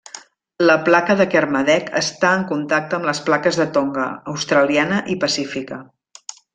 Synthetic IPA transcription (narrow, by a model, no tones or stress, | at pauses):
ləplakəðəkərməðɛkʰə̰st̪aəŋkunt̪ak̚t̪əːmləsplakəzðət̪oŋɡəːwst̪ɾəlianəʔipəsifikə